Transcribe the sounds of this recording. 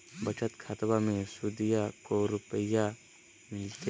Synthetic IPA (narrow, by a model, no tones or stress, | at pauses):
bɐt͡ʃət̪kʰaːt̪bamẽsud̪ɪjakoɾʊpəja | mɪlt̪e